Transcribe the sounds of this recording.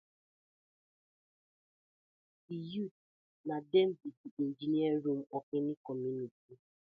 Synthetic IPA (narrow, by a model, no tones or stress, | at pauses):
ijut̚ | nadem̩bidiin̩d͡ʒiniɛɾum̩ɔkenikɔmjuniti